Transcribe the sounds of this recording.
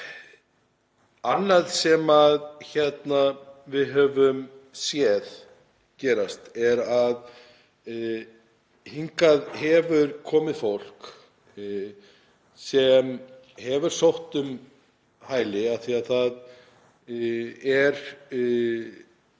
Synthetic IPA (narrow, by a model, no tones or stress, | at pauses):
anːaðsɛmaðçɛt̪navɪðɦœvʏmsjɛð | cɛːɾast̪ɛɾað | hiŋkaðhɛvʏɾkʰɔːmɪðfowl̥k | sɛm | hɛvʏɾ̥sowht̪ʏm | haːjlɪaθiaðθað | ɛɾ